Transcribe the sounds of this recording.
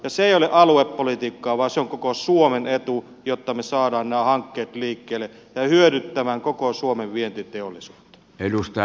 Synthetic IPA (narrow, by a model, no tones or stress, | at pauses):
jɑseeˑijoleʔɑluepːolit̪iːkːɑːʋɑːˑseoŋkokosuomenet̪u | jot̪ːɑmesɑːdɑːnnæːhɑŋkːeːt̪liːkːeːlːˑe | jɑhyøɾyt̪ːæmæŋkokosuomeʋʋient̪it̪eolːˑisuːt̪ːɑ̥elust̪ɑ